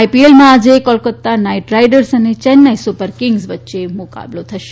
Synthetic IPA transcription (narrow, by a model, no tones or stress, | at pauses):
ipielmãad͡ʒekɔlkət̪ːanaiʈɾajɖəɾsənet͡ʃɛnːajsopəɾkɪŋɡsʋətːʃemʊka̰blot̪ʰəʃe̥